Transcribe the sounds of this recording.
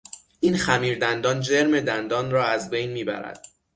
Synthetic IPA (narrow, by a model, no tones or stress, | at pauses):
ʔiːnxæmiːɾd̪ænd̪ɒːnd͡ʒeɾme̞d̪ænd̪ɒːnrɒːæzbejnmiːbæ̰ɾæ̰d̪̥̚